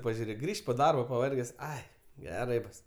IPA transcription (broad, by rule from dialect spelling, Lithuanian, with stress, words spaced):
pɐʒʲʊˈrʲeːk ˈɡrʲiːʃʲtʲ poː ˈdɐrboː pɐˈʋɐrʲɡʲɛs ˈɐɪ ɡʲɛˈrɐɪ ˈbʊs